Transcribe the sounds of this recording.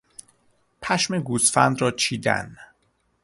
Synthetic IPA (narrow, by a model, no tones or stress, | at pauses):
pʰæʃmeɡusfæ̰nd̪ɾɒːt͡ʃʰiːd̪æ̰n